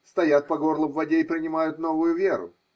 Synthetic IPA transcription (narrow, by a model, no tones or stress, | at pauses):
st̪ɐjat̪̚pɐɡo̞rlˠəpvɐdʲeɪpɾʲɪnʲɪmajʊt̪no̞vʊjʊvʲe̞ɾʊ̰